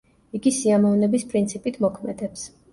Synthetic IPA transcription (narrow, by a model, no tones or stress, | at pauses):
iɡisiamɔvnɛbispʼɾint̪sʰipʼit̪ʰmɔkʰmɛd̪ɛps